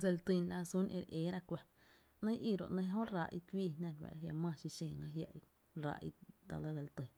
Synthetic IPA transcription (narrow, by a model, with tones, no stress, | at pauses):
d͡ze˧lt̪i˧˨nla˧su˦nʔḛ̃˧ɾʔeː˨˦ɾa˧kʷa˧ | nə̃˦ʔi˦˨ɾo̰˨ʔnə̃˧˦ɦõ˦raː˧ʔi˧kʷiː˦˧nã˧˨ɾwa̰˨ʔja˧mã˧˨ʃi˧ʃẽː˨ŋã˧ɦja˧˨ʔi˧ | ɾa̰˧ʔḭ˧d̪a̰˧lə˧˦d͡ze˧lt̪ɨ˨